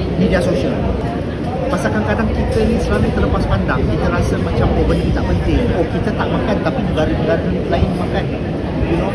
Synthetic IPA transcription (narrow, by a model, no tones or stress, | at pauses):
mẽdiasosiəl | masakankadaŋkit̪əinisəlalujt̪ələpaspandaŋkit̪əɾasəmãt͡ʃamobənikit̪aʔpənt̪ɪŋkɔkit̪ət̪aʔmakant̪apid͡ʒəɡaɾinəɡaɾdənilaɪnməmakan